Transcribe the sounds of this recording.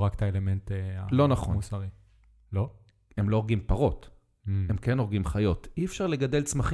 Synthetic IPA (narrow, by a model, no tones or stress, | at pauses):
ʁakt̪aelementa̰lo̞naχomusaʁi | lo̞ | emlooʁɡimpaʁo̞t | e̞mkeno̞ʁɡimχajo̞tiefʃaʁle̞ɡad̪e̞lt͡smaχi